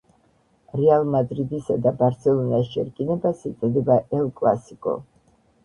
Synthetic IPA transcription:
ɾɛalˠmad̪ɾid̪isad̪abaɾt̪sʰɛlˠɔniast͡ʃɛɾkʼinɛbasiɛd̪ɛbaʔɛlˠkʼlˠa̰sikʼɔ̰

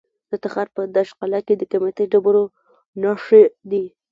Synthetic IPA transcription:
d̪̥ət̪axaɾpəd̪aʃqalaked̪əkamet̪əɖabəɾo | nɑʂed̪i

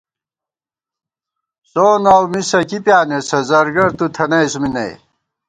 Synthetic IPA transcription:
soːnaːwmisɐkipjaːnesɐzɐɾɡɐɾt̪ut̪ʰɐnɐjsuminɐ̰j

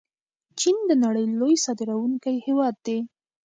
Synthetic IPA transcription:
t͡ʃind̪ənaɽəjlojsɑd̪ɪɾawuŋkəjhewɑd̪̚ːe

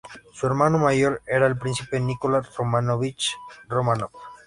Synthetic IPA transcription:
sueɾmãnomaʝoɾeɾaelpɾinθipenikolaromanoβit͡ʃromãno

